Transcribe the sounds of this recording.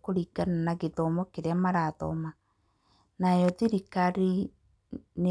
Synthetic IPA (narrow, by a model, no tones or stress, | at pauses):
koɾiːɡananaɣetɔmɔkeɾeamaɾatɔ̰ma | najɔðiɾikaɾi | ne